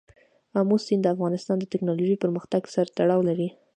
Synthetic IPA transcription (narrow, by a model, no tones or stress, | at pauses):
amusind̪əafɣɑnɪst̪ɑnd̪ət̪ɪknɑloʒipəɾməxt̪aɡsaɾt̪aɽɑwlaɾi